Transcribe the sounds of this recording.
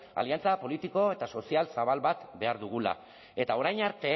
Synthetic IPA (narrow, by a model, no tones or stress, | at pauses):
a̰liant͡sapo̞lit̪iko̞e̞t̪aso̞sialsaβalβat̪be̞aɾðuɣ̞ula̰ | e̞t̪ao̞ɾajɲaɾt̪e̞